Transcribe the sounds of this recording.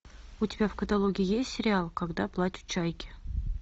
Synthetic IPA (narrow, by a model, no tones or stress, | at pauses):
ʊtʲɪbʲafkət̪alˠoɡʲɪɪjesʲt̪ʲsʲɪɾʲɪalˠkaɡd̪aplˠatʲʊ̥t̪t͡ɕajkʲɪ̥